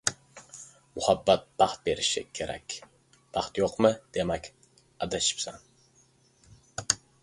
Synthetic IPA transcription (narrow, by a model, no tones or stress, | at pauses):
mʊhɑbːɑt̪̚b̥ɑχ̚beɾɪʃɪ̰kʲʰeɾɛ̰kʲ | b̥ɑχt̪joqmɨd̪̥emɛkʲ | ɑd̪aʃi̥psan